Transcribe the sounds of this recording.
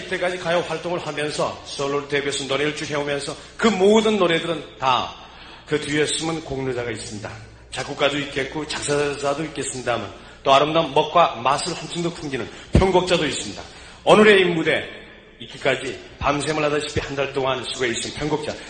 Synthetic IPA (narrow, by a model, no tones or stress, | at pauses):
it͈e̞k͈ad͡ʑikajʌɸwaɭt͈oŋɯɭhamjʌnsʰʌ̰s͈ʌɭːoɾɯtebjosʰʌnoɾeɾɯɭt͡ɕ͈uɦe̞omjʌnsʰʌ | kɯmodɯnːoɾe̞dɯɾɯnta̰ | kɯtiʌs͈ɯmɯnkoŋnud͡ʑaɡais͈ɯmɲida̰ | t͡ɕak͈uk͈adoik͈e̞t̚k͈ot͡ɕak̚s͈ʰad͡ʑadoik͈e̞s͈ɯmɲidamja̰n | t͈oaɾɯmdanmʌk̚k͈wamasʰɯɭhʌnt͡ɕʰiŋdopʰumɡinɯnpʰjʌŋɡok̚t͡ɕ͈adois͈ɯmɲida̰ | ʌnɯɾe̞imːude̞ | ik͈ʰi̥k͈ad͡ʑi | pams̬ʰemɯɭɦadaɕʰi̥pʰihandaɭt͈oŋansʰuɡoeis͈ɯmpʰjʌŋɡok̚t͡ɕ͈a̰